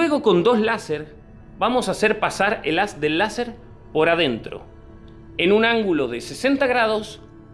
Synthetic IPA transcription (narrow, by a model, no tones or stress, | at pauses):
we̞ɣoko̞nd̪o̞slase̞ɾ | bamo̞sase̞ɾpasaɾḛlazd̪e̞lːase̞ɾ | po̞ɾaðe̞nt̪ɾo̰ | enũnãŋɡulo̞ðe̞se̞se̞nt̪aɣɾað̞o̞s